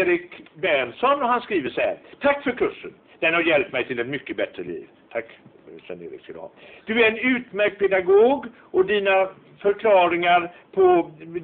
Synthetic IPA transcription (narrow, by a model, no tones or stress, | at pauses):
ɾɪkbæɳsɔnːɔɦanskɾiːvəʂɛæ̰ɾt̪ʰakːfœɾkʰɵʂːə̰n | d̪̥ɛnhaɾjɛlp̚t̪mɛjt̪ʰɪlɛt̪mʏkːəbɛt̪ɾəlḭːv | t̪ʰakːsɛ̰nḛːɾɪ̰ksə̰l̰hɑ̰ːd̪̥ɵæɾɛnʉ̟ːt̪mæɾkt̪̚pʰɛd̪aɡoːɡ | ɔd̪iːna | fœɾkʰlɑːɾɪŋaɾpʰɔ